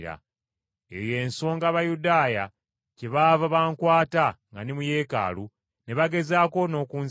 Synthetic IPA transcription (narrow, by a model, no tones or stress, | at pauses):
ɾa̰ | eje̞ːnso̞ːŋɡaβajudaːja | ceβaːvaβaːŋkwaːtaŋɡanimuje̞ːka̰ːlu | ne̞βaɡe̞zaːko̞no̞ːkuːn